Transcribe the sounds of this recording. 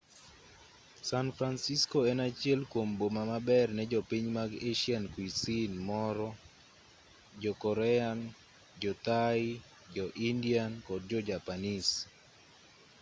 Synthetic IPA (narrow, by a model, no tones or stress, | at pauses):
sanfɾansiskɔɛnat͡ʃjɛlkwombomamabɛrnɛd͡ʒɔpiɲmaɡeʃiankwisinmɔɾɔ | d͡ʒɔkɔɾɛan | d͡ʒɔt̪ai | d͡ʒɔʔindiankɔd̚d͡ʒɔd͡ʒapanis